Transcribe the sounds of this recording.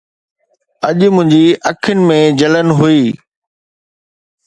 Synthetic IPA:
ɐʄmʊ̃ɦɪ̃ɲd͡ʑiʔɐkʰənɪ̆mẽd͡ʑɐlənɦuiː

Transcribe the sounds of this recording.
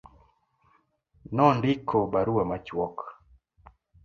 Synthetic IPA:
nɔndɪkʰːobaɾuamat͡ʃwɔk

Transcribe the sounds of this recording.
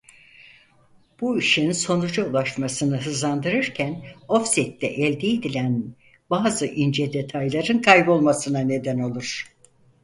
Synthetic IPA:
b̥uiʃinso̞nud͡ʒaulˠaʃmasɯnɯɦɯzand̪ɯɾɯɾcʰæno̞fsit̪ːɛʔɛlʲd̪ɛid̪ilʲæn | baːzɯʔind͡ʒɛd̪e̞t̪ʰajlˠaɾɯnkʰajbo̞lˠmasɯnane̞d̪æno̞lˠuɾ̥

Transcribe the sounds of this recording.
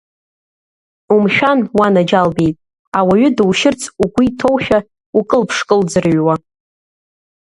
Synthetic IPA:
umʃᶣanwanad͡ʒalbe̞jtʼ | awaɥʏdwʃɪrt͡sʰʼuɡʷitʰo̞wʃᶣa | ukʼɨlpʰʂkʼɨld͡zɨrɥwa

